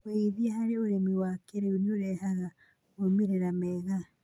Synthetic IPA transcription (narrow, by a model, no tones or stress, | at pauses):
eiðiahaɾeoɾemiwakeɾeuneoɾɛhaɣa | omeɾeɾamɛɣa